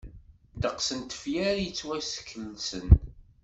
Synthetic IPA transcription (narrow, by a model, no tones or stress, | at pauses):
d̪əqsənt̪ə̥fjæɾjət͡sːwæsə̥kʰːəlsən